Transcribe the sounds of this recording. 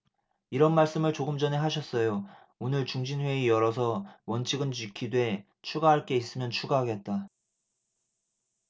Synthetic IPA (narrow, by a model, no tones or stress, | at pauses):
iɾʌnmaɭs͈ɯmɯɭt͡ɕoɡɯmd͡ʑʌne̞ɦaɕ̬ʰʌs͈ʌjo | onɯɭt͡ɕuŋd͡ʑinwe̞ijʌɾʌsʰʌwʌnt͡ɕʰiɡɯnd͡ʑikʰidwe̞ | t͡ɕʰuɡaɦaɭk͈e̞is͈ɯmjʌnt͡ɕʰuɡaɦaɡe̞t̚t͈a